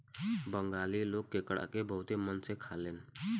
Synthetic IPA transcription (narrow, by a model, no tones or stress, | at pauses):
bə̃ŋɡaːliloːɡ̚kekəɽa̰kebəɦʊt̪emənsekʰaːleːn